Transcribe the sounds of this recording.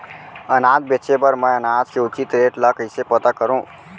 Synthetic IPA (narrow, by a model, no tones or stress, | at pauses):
ənaːd̪̚bet͡ʃepəɾmə̃ənaːd̪keʊt͡ʃɪt̪ɾeːʈlakəɪsepət̪akəɾũː